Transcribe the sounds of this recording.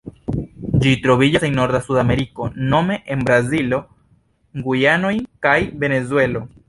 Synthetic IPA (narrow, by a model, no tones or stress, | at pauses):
d͡ʒit̪ɾoβiʎaseŋnoɾðasuðameɾikonomeʔembɾazilo | ŋɡujanojkajbe̞nez̬we̞lo